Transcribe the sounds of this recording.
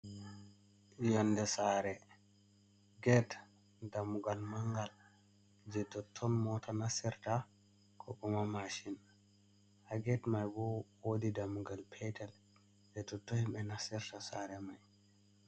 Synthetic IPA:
jɔnːdɛsaɾɛ | ɡɛt | damuɡalmaŋɡal | d͡ʒɛtɔtʰːɔnmɔtanasɛɾta | kʰɔɓɔmamaʃin | haɡɛtmajbɔwodidamuɡalpʰɛtɛl | d͡ʒɛtɔtɔhimɓɛnasiɾtasaɾɛmaj

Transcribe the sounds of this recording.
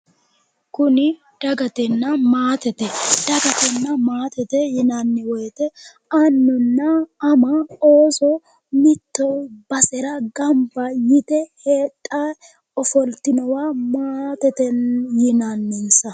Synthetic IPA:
kʊnɪ | d̪̥ɐɡɐt̪ɛnːɐmaːt̪ɛt̪ɛd̪̥ɐɡɐt̪ɛnːɐmaːt̪ɛt̪ɛjɪnanːɪwɔjt̪ɛ | ɐnːʊnːɐːmɐoːsɔ | mɪt̪ːɔwb̥ɐsɛɾɐɡɐmbɐjɪt̪ɛheːt̪ʼːa | ɔfɔlt̪ːɪnɔwaːmaːt̪ɛt̪ɛnjɪnanːɛnsɐ

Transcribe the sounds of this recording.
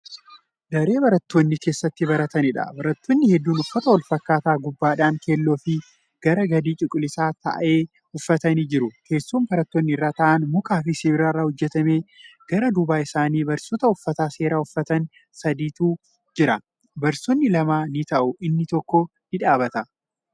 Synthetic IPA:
d̪ɐɾe̞ːbɐɾɐt̪ːoːnːɪke̞ːsːɐt̪ːɪbɐɾɐt̪ɐnɪᶑɐ̰bɐɾɐt̪ːoːnːɪhɛd̪ːuːnʊfːɐt̪ɐwɐlfɐkːaːt̪aːɡʊbːaːᶑaːnkeːlːo̞ːfɪ | ɡ̥ɐɾɐɡɐd̪iːt͡ʃʼɪkʼʊlɪsaːt̪ɐ̰ʔe̞ː | hʊfːɐt̪ɐniːd͡ʒɪɾʊke̞ːsːuːmbɐɾɐt̪ːoːnːɪɪrːaːt̪ɐʔɐnmʊkaːfɪseːbɪɾaːrːahɔd͡ʒːɛt̪ɐme̞ːɡ̥ɐɾɐd̪ʊbaːɪsaːniːbɐɾsoːt̪ɐʊfːɐt̪aːse̞ːɾaːʊfːɐt̪ɐn | sɐd̪iːt̪uː | d͡ʒɪɾɐ | bɐɾsoːnːɪlɐmaːnɪt̪ɐʔʊʔɪnːɪt̪ɔkːɔ | nɪᶑaːbɐt̪ɐ

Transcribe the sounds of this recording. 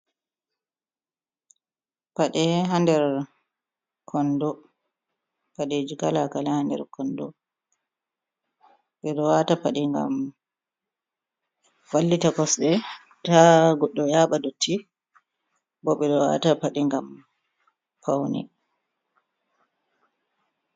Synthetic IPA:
paɗɛɦandɛɾ | kʰɔndɔ | paɗed͡ʒiɡalakalahandɛ̰ɾkʰɔndɔ̰ | ɓɛɗɔwatapaɗiŋɡa̰m | walːitakɔsɗɛ | taɡɔɗːɔjaɓadotʰːi | bɔɓɛɗɔwa̰tapaɗiŋɡam | pʰawnḭ

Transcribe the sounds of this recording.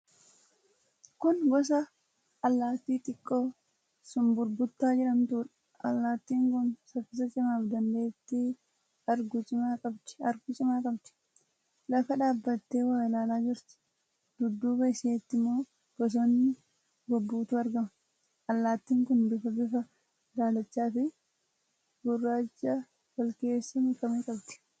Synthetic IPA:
kʊnɡɔs̬ɐ | ɐlːaːt̪ːiːt̪ʼɪkʼːo̞ː | sʊmbʊɾbʊt̪ːaːd͡ʒɪᶑɐmt̪uːᶑɐ̥ | ʔɐlːaːt̪ːiːŋkʊnsɐfɪsɐt͡ʃʼɪmaːfd̪ɐnd̪eːt̪ːɪ | ɐɾɡʊt͡ʃʼɪmaːkʼɐbt̪ɪ̥ɐɾɡʊt͡ʃʼɪmaːkʼɐbt̪ɪ̥ | lɐfɐᶑaːbːɐt̪ːe̞ːwaːɪlaːlaːd͡ʒɪɾt̪ɪ̥ | d̪̥ʊd̪ːuːbɐɪseːt̪ːɪmːo̞ː | ɡ̥ɔs̬ɔnːɪ | ɡɔbːuːt̪ʊɐɾɡɐmɐ | ʔɐlːaːt̪ːiːŋkʊnd̪ʊfɐbɪfɐ | d̪aːlɐt͡ʃːaːfɪ | ɡʊrːaːt͡ʃːɐ | wɐlke̞ːsːɐnɪkɐmeːkʼɐbt̪ɪ̥

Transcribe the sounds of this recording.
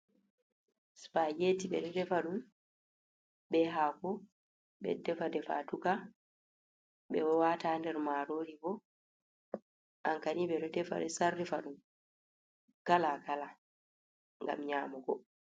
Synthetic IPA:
sfad͡ʒetiɓɛ̰ɗɔdɛfaɗum | ɓɛɦakɔ | ɓɛ̰dɛfadɛfa̰tuka | ɓɛwɔwatandɛɾmaɾoɾibɔ | ʔaŋkaniɓɛɗɔdɛfa̰dɛsarːifaɗum | kalakala | ŋɡa̰mɲaːmɔɡɔ

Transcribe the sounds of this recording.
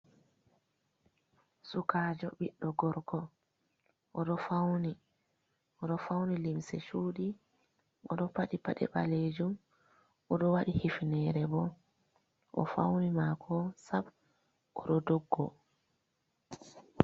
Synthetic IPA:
sukaːd͡ʒɔɓiɗːɔɡɔɾkɔ | ʔɔɗɔfawni | ʔɔɗɔfawnilimsɛʃuːɗi | ʔɔɗɔpaɗipaɗɛ̰ɓaled͡ʒum | ʔɔɗɔwaɗihifnɛːɾɛbɔ | ʔɔ̰fa̰wnimakʰɔsab | ʔɔɗɔdɔɡːɔ

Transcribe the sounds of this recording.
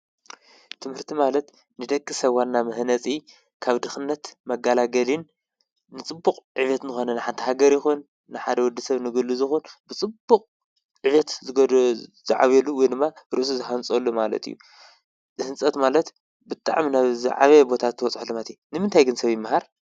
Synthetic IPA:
t̪ʰɨmhɨɾt̪ʰimalɐt̪ | nɨd̪ɐkʼːɨsɐβanːamɨhnɐt͡sʼi | kʰaβd̪ɨxɨnːɐt̪mɐɡalaɡɐlinː | ɨt͡sʼɨbːuqʼʕɨβɐt̪nɨxo̞nɐnɨħant̪ʰiɦaɡɐɾjɪxunː | ɨħad̪ɐwɔd̪ːɐsɐβnɨɡɨlːuzɨxunbɨt͡sʼɨbːukʼ | ʕɨβɐt̪z | zɨʕa̰βjɛluwɔjd̪ɨmːaɾɨʔs̬uzɨħant͡sʼolːumalɐ̰t̪ḭjːu | zɨhɨnt͡sʼɐt̪malɐt̪ | bɨt̪ʼa̰ʕminaβzɨ̰ʕa̰βebo̞t̪ʰat̪ʰːɨwɔt͡sʼħulɨmat̪ʰinɨmɨnt̪ʰajɡɨnsɐβjɪmːahaɾ

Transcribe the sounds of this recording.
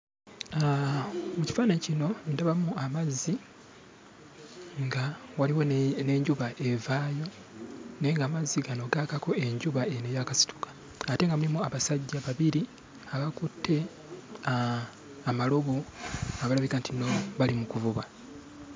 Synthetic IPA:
muci̥faːnaɲcino̞ndaβamuamazːi | ŋɡawaliwone̞ːɲɟuβaʔevaːjo̞ | ne̞ŋɡaːmazːiɡano̞ɡakako̞e̞ɲɟuβaenejaːkasi̥tʰu̥kḁː | te̞ŋɡamulimuaβasaɟːaβaβiɾi | aβakutʰːe̞ | amaloβoaβalaβikantino̞βalimukuvuβa

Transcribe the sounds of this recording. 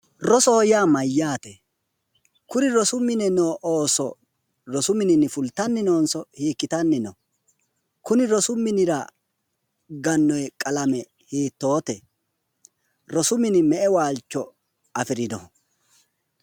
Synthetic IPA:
ɾɔsɔhɔjaːmɐjːaːt̪ɛ | kʊnɪɾɔsʊmːɪnɛnoːʔoːsɔ̰ | ɾɔsʊmɪnɪnɪfʊlt̪ɐnːɪnoːnsɔhiːkːɪt̪ɐnːɪnɔ | kʊnɪɾɔsʊmːɪnɪɾɐ | ɡɐnːɔjkʼɐlɐmɛ | hiːt̪ːo̞ːt̪ɛ | ɾɔsʊmɪnɪmɛʔɛwaːlt͡ʃːɔ | ɐfɪɾɪdɔh

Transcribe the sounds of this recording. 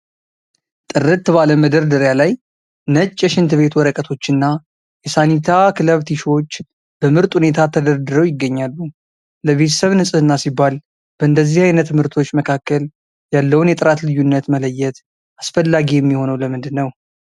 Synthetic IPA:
t̪ʼɨɾɨt̪ːbaləməd̪əɾd̪ɨɾjalaj | nət͡ʃʼːɛʃɪnt̪ɨβe̞t̪wɔɾəkʼət̪ʰo̞t͡ʃːɨnːa | jɛsanit̪ʰakʰɨləβt̪ʰiʃo̞t͡ʃː | b̥əmɨɾt̪ʼhune̞t̪ʰat̪ʰəd̪əɾd̪ɨɾəwjɪɡːəɲːalːu | ləβe̞t̪ʰə̥səβnɨsʼɨɨnːasibːal | b̥əʔɨnd̪əzːihajnət̪ʰːɨmhɨɾt̪ʰo̞t͡ʃːməkʰakːəl | jalːəwnjɛt̪ʼɨɾat̪lɨjːunːət̪mələjːɛt̪ | ʔasfəlːaɡijɛmːiho̞nəwləmɨnd̪ɨnːəw

